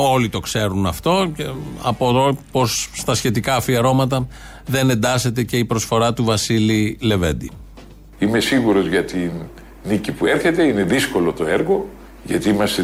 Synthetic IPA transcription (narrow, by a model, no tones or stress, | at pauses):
o̞lit̪o̞kse̞ɾunɐft̪o̞eɐpoðopo̞st̪ɐsçe̞t̪ikɐfiɐɾo̞mɐt̪ɐ | ðe̞ne̞nd̪ɐset̪e̞ce̞ipɾo̞sfo̞ɾɐt̪uvɐsilile̞ve̞̰nd̪i | ime̞siɣuɾo̞zʝɐt̪in | nicipueɾçe̞t̪e̞ine̞ðisko̞lo̞t̪o̞eɾɣo̞ | ʝɐt̪iimɐst̪e